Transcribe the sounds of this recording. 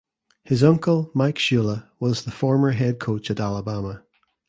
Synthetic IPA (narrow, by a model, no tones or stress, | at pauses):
hɪzʌ̃ŋkəlˠmaɪkʃʉlˠəwɒzðəfɔɹmə˞ɦɛd̚kʰot͡ʃəʔalˠəbamə